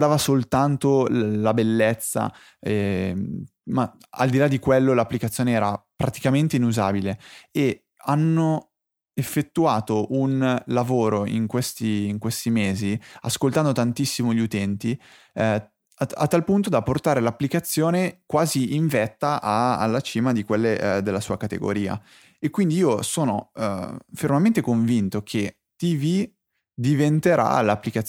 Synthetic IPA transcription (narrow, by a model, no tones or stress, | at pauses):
d̪aːvasolt̪ant̪olabelːet̪sːa̰ | ɛ | ma | a̰ld̪ilad̪ikwelːolapːlikat̪sːjoːneɛːɾapɾat̪i̥kament̪einuza̰ːbilee | anːo | efːet̪ːuaːt̪oʔunlavoːɾoḭŋkwest̪iːŋkwest̪imeːzia̰skolt̪and̪ot̪ant̪isːimoʎut̪ɛnt̪i | a̰t̪ːalpunt̪od̪apːort̪aːɾelapːlikat̪sːjoːnekwaːziiɱvɛt̪ːaʔaa̰lːat͡ʃiːmad̪ikwelːed̪elːasuːakat̪ḛɡo̰ɾiːa̰ | ekwind̪iiːosoːno̰ | fermament̪ekoɱvint̪okʰe | t̪ivi | d̪ivent̪eɾʔa̰lapːlikat̪